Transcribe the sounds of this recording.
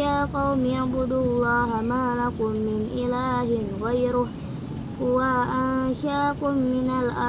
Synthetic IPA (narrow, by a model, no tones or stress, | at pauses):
jaːqɑwmɪaʕbʊd̪ʊlˤːɑːɦamaːlakʊmːɪnʔɪlaːɦɪnɣajɾʊ | hʊwaʔanʃaːkʊmːɪnalʔa